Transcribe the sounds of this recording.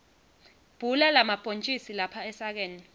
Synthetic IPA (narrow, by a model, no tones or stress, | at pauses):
b̥ʱulɛlamapʼont͡ʃʼisilapʰaɛsak̬eːni